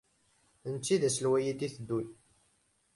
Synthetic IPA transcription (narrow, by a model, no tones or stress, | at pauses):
ənt͡sːiðæsəlwæjid̪iθəd̪ːuj